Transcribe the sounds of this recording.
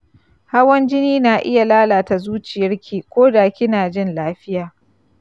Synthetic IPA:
ha˦wɐ˦nd͡ʒɪ˦niː˦naː˨ʔɪ̰˦ja˨laː˦laː˨ta˨zuː˦t͡ʃɪ˨jɐ˦rkʲʰiː˨kʷoː˦daː˨kʲɪ˦naː˨d͡ʒɪ˦nlaː˦ɸɪ˦jaː˨

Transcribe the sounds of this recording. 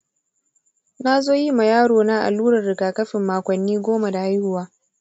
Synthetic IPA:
na˦zoː˦ji˦ma˨jaː˦ɽoː˨naː˦ʔa̰˨luː˦ɽɐ˨rɽɪ˨ɡaː˨kɐ˦ɸɪ˨mːaː˨kʷɔ˨nːiː˦ɡʷoː˦ma˨da˨ha˦jɾʊ˦waː˦

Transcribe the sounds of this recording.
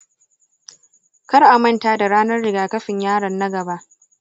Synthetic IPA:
kɐ˦rʔa˨mɐ˦ntaː˦da˨ɽaː˦nɐ˦rɽɪ˨ɡaː˨kɐ˦ɸɪ˨ɲjaː˦ɽɐ˨nːɐ˦ɡɐ˨ba˦ʔ

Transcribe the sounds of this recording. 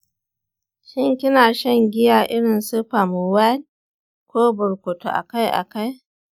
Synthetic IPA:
ʃɪ˦ŋkʲɪ˦naː˨ʃɐ˦ŋɡʲɪ˦jaː˨ʔɪ˦ɽɪ˨nsʊ˦ɸa˨mu˨wa˦l | kʷoː˦bʊ˨ɾkʷo˨to̰˨ʔa̰˨ka˦jʔa̰˨ka˦j

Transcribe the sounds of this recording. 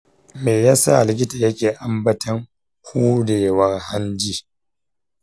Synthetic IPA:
meː˨jaː˦sa̰˦˨lɪ˨k̬ʲɪ˦ta˨jɐ˦kʲeː˨ʔa˨mbɐ˦tʰɐ˦ŋ | hʰuː˦ɽeː˨wɐ˦rha˦nd͡ʒiː˦

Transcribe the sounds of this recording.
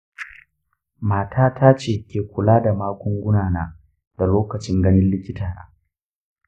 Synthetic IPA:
maː˨tʰaː˦tʰaː˦t͡ʃeː˨kʲeː˨kʷʊ˨laː˦da˨maː˦kʷɔ˦ŋɡʷʊ˦naː˨naː˦ | da˨loː˦kɐ˨t͡ʃɪ˦ŋɡɐ˦nɪ˦nlɪ˦kʲɪ˦taː˨na̰ː˦

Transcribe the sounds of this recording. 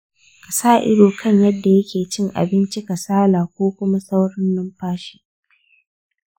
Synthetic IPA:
ka˨saː˦˨ʔɪ̰˦doː˨kʰɐ˦˨ɲjɐ˦dːa˨jɐ˦kʲeː˨t͡ʃɪ˦˨ŋʔa̰˨bɪ˦nt͡ʃi˦ka˨saː˦laː˨kʷoː˦kʷʊ˦ma˦sa˦wɽɐ˦nːɐ˦mɸaː˦ʃi̥ː˦

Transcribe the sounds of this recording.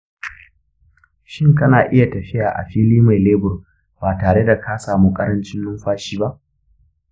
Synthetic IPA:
ʃɪ˦ŋkɐ˦naː˨ʔɪ˦ja˨tɐ˨ɸɪ˦jaː˨ʔa̰˨ɸiː˦liː˦ma˨jleː˦bʊ˨r | baː˨taː˨ɽe˦da˨kʰaː˦saː˨mu˦kʼɐ˦ɾɐ˦nt͡ʃɪ˦nːʊ˦mɸaː˦ʃiː˦ba˦ʔ

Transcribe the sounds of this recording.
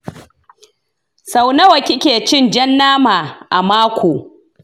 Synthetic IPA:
sa˨wnɐ˦wɐ˨kʲɪ˦kʲeː˨t͡ʃɪ˦˨nd͡ʒɐ˦nːaː˦maː˨ʔa̰˨maː˦kʷoː˨

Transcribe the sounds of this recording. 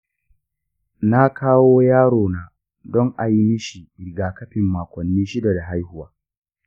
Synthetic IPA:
na˦kʰaː˦woː˦jaː˦ɽoː˨naː˨ | dɔ˦ŋʔa˨ji˦mi˦ʃi˨ʔɪ˨ɡaː˨kɐ˦ɸɪ˨mːaː˨kʷɔ˨nːiː˦ʃɪ˦da˨da˨ɦa˦jhʊ˦waː˦

